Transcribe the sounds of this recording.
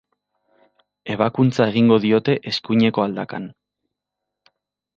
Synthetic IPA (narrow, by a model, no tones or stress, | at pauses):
e̞β̞akunt͡sae̞ɣ̞iŋɡo̞ðio̞t̪e̞ʔeskuɲe̞ko̞ald̪akan